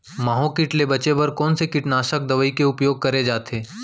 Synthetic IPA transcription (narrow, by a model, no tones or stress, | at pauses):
maːɦõkɪʈlebɐt͡ʃebɐɾkɔːnsekɪʈnaːʃək̚d̪ɐʋəikeʊpjoːɡ̚kɐɾed͡ʒaːt̪ʰeː